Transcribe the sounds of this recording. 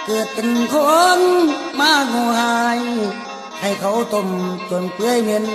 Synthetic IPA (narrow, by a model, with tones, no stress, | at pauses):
kɤː˨˩t̪̚pe˧˨nkʰo˧˦nmaː˧˥˩mɔ˧haː˧j | ha˨˩jkʰa˧˦wt̪o˧˩mt͡ɕu˨˩npɯ˧˥ə˨jmɯ˧˥˨n